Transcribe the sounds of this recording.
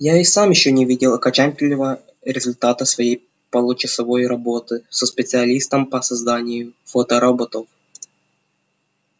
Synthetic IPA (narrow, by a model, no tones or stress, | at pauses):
jaɪsamjɪɕːonʲɪvʲidʲɪlˠɐkɐt͡ɕanʲkʲɪlʲːɪvə | ɾʲɪzʊlʲt̪at̪əsvɐjej | pəlˠut͡ɕɪsɐvo̞jɾɐbo̞t̪ɨsəspʲɪt̪sɨɐlʲist̪əmpəsɐzd̪anʲɪjʊfot̪əɾɐbot̪of